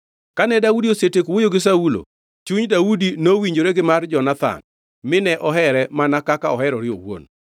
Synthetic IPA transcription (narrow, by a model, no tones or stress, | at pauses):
kanɛdaudiosetekwojoɡɪs̬aulo̰ | t͡ʃuɲdaudinowiɲd͡ʒoɾeɡɪmard͡ʒɔnat̪a̰n | mɪnɛʔɔɦɛɾɛmanakakaɔhɛɾɔɾɪo̰wo̰n